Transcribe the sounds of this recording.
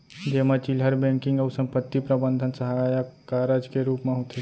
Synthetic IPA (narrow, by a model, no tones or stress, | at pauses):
d͡ʒeːmet͡ʃilɦəɾbɛ̃ŋkɪ̃ŋɡəːsəmpət̪ːipɾəbənd̪ʱənsəɦaajakaɾəd͡ʒkeɾuːpmẽɦot̪ʰe